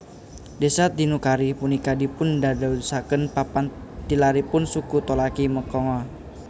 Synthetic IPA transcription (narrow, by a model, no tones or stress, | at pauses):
desat̪̚dinukaɾipunikadipʊndadasakənpapant̪ilaɾipʊnsukut̪ɔlakiməkɔŋɔ